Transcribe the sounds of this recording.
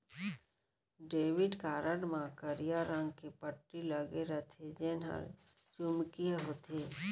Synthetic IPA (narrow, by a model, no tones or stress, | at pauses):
ɖeːʋɪɖkaːɾəɽmãkəɾijaɾãŋɡkipəʈːiləɡeɾət̪ʰed͡ʒeːnɦə̰ɾ | d͡ʒʊmkieɦoːt̪eː